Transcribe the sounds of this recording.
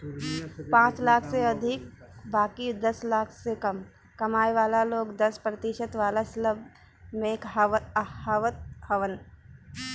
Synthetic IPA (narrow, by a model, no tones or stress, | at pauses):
pãːt͡ʃlaːkʰseɐd̪ʱɪk̚ | baːkid̪ɐslaːkʰsekɐm | kɐmaːjʋaːlaloːɡd̪ɐspɾɐt̪ɪʃət̪ʋaːlasləb | mẽːkɦhaːʋət̪̚həʋən